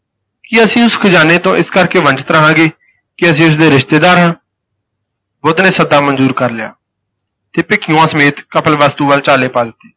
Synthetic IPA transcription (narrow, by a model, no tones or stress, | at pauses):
kiəsĩːʊskʰəd͡ʒaːneːt̪õːʔɪskəɾkeːʋə̃nd͡ʒət̪ɾaɦãːɡeː | kɪəs̬ĩːʊs̬d̪eːɾɪʃt̪eːd̪aːɾɦãː | bʊd̪nẽːsəd̪aːmənzuːɾkəɾlɪja̰ː | t̪eːpɪkʰɪjõãːsəmeːt̪kəpʰəlʋaːst̪uːʋəlt͡ʃaːleːpaːd͡ʒɪt̪ːe̥ː